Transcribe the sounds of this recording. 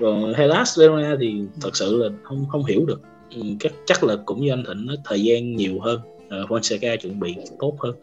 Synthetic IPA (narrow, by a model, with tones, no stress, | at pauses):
kɔ˨˩n˨ha˧laː˦˥szɛ˧o˧naː˧t̪ʰi˨˩t̪ʰɨ˨˩k̚sɨ̰˧˨laː˨˩hə˧wŋ͡mhə˧wŋ͡mɦi˧˩əwɗɨ˨˩ək̚ | ʔɨ˨˩kaː˦˥k̚t͡ɕa˦˥k̚lɨ˨˩kːʊ̰˧˥ŋ͡mɲɨ˧ʔa˧ŋ̟t̪ʰï˧˩ŋ̟nɔ˨˦t̪ʰəː˨˩jzaː˧nɲi˨˩əwɦəː˧n | ʔəː˨˩vɔ˧nsa˧kaː˧t͡ɕwi˧˩ənɓḭ˧˨t̪o˦˥t̚həː˧n